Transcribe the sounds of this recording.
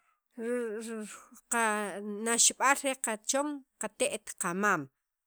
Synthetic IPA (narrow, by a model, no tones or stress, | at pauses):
qanaʃɓalɾeqat͡ʃoŋqat̪eʔt̪qamaːm